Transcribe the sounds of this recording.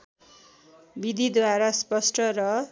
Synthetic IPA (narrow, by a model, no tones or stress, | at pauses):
bid̪ʱid̪waɾaspʌsʈʰʌɾʌ